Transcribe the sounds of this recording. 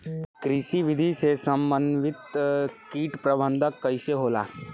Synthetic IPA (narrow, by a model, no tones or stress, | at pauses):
kɾiʃiʋɪd̪ʱisesɐ̃mbənʋɪt̪kiːʈpɾɐbə̃nd̪ʱəkːɐɪseɦoːla̰ː